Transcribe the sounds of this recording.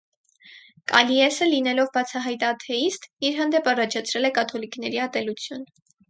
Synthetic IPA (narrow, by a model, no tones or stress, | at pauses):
kɑ̰liɛsəlinɛlɔvbɑt͡sʰɑɦɑjt̪ɑt̪ʰɛist̪iɾɦɑnd̪ɛpɑrɑt͡ʃʰɑt͡sʰɾɛlɛkɑt̪ʰɔlikn̪ɛɾiɑt̪ɛlut͡sʰjun